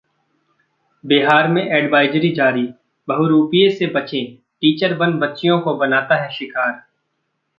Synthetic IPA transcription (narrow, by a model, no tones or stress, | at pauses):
bɪɦaːɾmẽʔɛːɖʋaːɪd͡ʒɾid͡ʒaːɾi | bɐɦʊɾuːpijesebɐt͡ʃẽ | ʈiːt͡ʃəɾbɐnbɐtːʃijõkobɐnaːt̪aɦɛʃɪkaːɾ